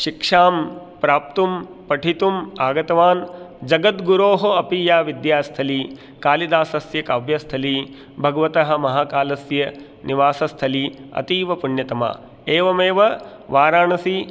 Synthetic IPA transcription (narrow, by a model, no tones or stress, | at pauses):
ʃikʂaːm | pɾaːp̚t̪um | pɐʈʰit̪umaːɡɐt̪ɐʋaːnd͡ʒɐɡɐt̪ɡuɾoːɦoɐpiːjaːʋid̪jaːst̪ʰɐli | kaːlid̪aːsɐsjɐkaːʋjɐst̪ʰɐli | bʱɐɡɐʋɐt̪ɐɦɐ̆mɐɦaːkaːlɐsjɐ | niʋaːsɐst̪ʰɐliɐ̰t̪iːʋɐpuɳjɐt̪ɐma̰ː | eːʋɐmeːʋɐ | ʋaːɾaːɳɐsi